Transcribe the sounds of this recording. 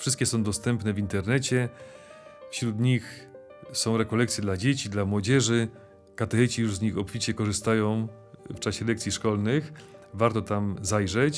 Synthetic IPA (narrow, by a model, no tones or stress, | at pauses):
fʂɘst̪̚kʲɛsɔ̃w̃d̪ɔst̪ɛmpnɛvʲint̪ɛɾnɛt͡ɕɛ | fɕɾut̪ɲix | sɔ̃w̃ɾɛkɔlɛkt̪sʲjɛd̪lad͡ʑet͡ɕid̪lamwɔd͡ʑɛʐɘ | kat̪ɛxɛt͡ɕijuʐzɲixɔpfʲit͡ɕɛkɔʐɘst̪ajɔ̃w̃ | ft͡ʂaɕɛlɛk̪̚sʲiʂkɔlnɘxvaɾt̪ɔt̪amzajʐɛt͡ɕ